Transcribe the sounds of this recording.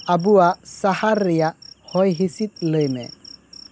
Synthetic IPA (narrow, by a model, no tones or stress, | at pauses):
abuasahaɾijahɔjɦisit̪̚ləjmɛ̰